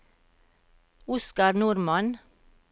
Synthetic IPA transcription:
ʊskɑɾnuːɾmɑn

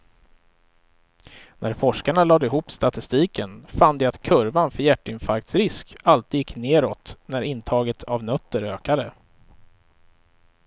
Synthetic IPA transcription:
nʔæɾfɔʂkaɳalɑːd̪ɪɦuːpst̪at̪ɪst̪iːkənfand̪ɛat̪kʰɵɾvanfœɾjæʈːɪnfaɾk̚t̪sɾɪskalt̪jɪkːneːɾɔt̪næɾɪnt̪ʰɑːɡət̪ʰavnœt̪ːəɾøːkad̪ə

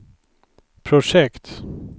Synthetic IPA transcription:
pʰɾʊʂɛkt̪

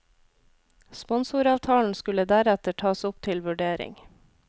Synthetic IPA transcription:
spɔnsʊːɾɑːʋt̪ʰɑːln̩skʉləd̪æɾɛt̪əʈʰɑːsʊpt̪ʰɪlʋʉɖeːɾɪ̰ŋ

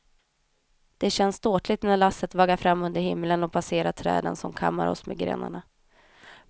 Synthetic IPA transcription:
d̪̥ɛɕɛnːsd̪oːʈlɪt̪næɭasːət̪vɑːɡaɾfɾamːɵnd̪əɾhɪmːələnɔpʰaseːɾat̪ʰɾɛ̰ːd̪ə̰nsɔmkʰa̰mːa̰ɾɔ̰smḛɡɾḛːna̰ɳa

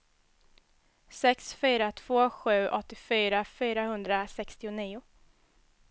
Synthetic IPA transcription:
sɛksfyːɾat̪ʰv̥oːɧʉ̟ːʔɔt̪ːɪfyːɾafyːɾahɵnd̪ɾasɛkst̪ɪʊniːʊ

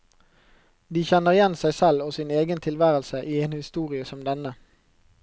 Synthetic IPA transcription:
d̪iːçɛnəʁɪjɛnsæɪsɛloːsɪneːɡənt̪ʰɪlʋæːʁəlsəʔiːeːnhɪst̪uːʁɪəsɔmd̪ɛnə

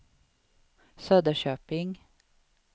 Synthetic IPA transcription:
søːd̪əɕøːpɪŋ

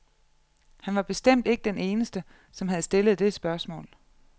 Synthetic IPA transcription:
hænʋɑ̈b̥e̝sd̥em̰d̥e̝ɡ̥əd̥ene̝ːnəsd̥ə | sɒ̽mɦæð̞̩ˠsd̥e̝ləð̞̩ˠd̥e̝sb̥ɶɐsmɔ̰̽ːl

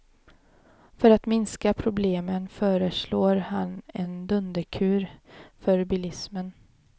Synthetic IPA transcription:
fœɾat̪mɪnskapʰɾʊbleːmənfœːɾəʂloːɾhanɛnd̪ɵnd̪əkʰʉ̟ːɾfœɾbɪlɪsmən

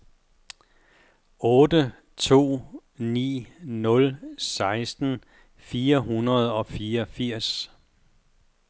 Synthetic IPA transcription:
ɔ̽ːdə | t͡sʰo̝̰ː | nḭːnɔ̽lsɑ̈ɪsd̥n̩ | fiːɐɦunɐð̞̩ˠɒ̽fiːɐfiɐ̰s

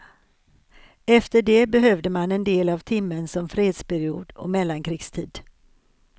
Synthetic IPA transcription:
ɛft̪əɖɛbɛɦœvd̪əmanɛnd̪eːlavt̪ʰɪmːənsɔmfɾeːd̪spʰæɾɪuːd̪ɔ̰mɛlːankʰɾiːɡst̪ʰiːd̪

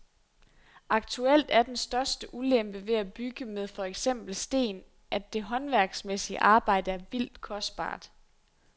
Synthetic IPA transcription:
ɑ̈ɡ̥̚t͡sʰuel̰d̥æɐd̥ensd̥ɶɐsd̥əʔulem̰b̥əʋe̝æb̥yɡ̥əmeð̞ˠfɒ̽eɡ̥sem̰b̥l̩sd̥e̝̰ːn | ʔæ̥d̥e̝ɦɒ̽nʋæɐɡ̥smesiə̰ʔɑ̈ːb̥ɑ̈ɪ̰d̥əæɐʋil̰d̥kʰɒ̽sd̥̚b̥ɑ̰̈ːd̥

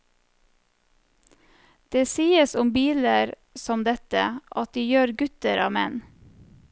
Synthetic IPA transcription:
d̪̥eːsiːəsʊmbiːləɾ | sɔmd̪ɛt̪ə̰ʔɑt̪̚d̪iːjøːɾɡʉt̪əɾɑ̰ːmɛ̰n

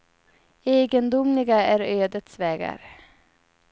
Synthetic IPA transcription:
eːɡənd̪ʊmlɪɡaæɾøːd̪ət̪svɛːɡa̰ɾ

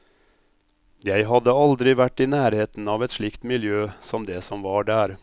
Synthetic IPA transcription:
jæɪɦɑd̪əɑld̪ɾɪʋæʈːɪnæːɾheːt̪n̩ɑːʋɛt̪ʂɭɪkt̪mɪljøːsɔmd̪ɛsɔmʋɑːɖæːɾ

